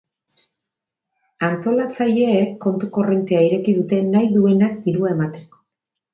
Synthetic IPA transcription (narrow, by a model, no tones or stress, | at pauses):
ant̪o̞lat͡saʎe̞ːkːo̞nt̪uko̞re̞nt̪eaiɾe̞kiðut̪e̞najðue̞nakd̪iɾuae̞mat̪e̞ko̥